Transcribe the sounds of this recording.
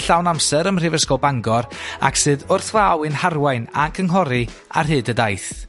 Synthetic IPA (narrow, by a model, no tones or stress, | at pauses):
ɬawnamsɛɾəmr̥ɪvəskɔbaŋɡɔɾa̰ksɨːðʊrθvawɨnharwajnakʰəŋɦɔɾi | a̰rɦɨːdədajθ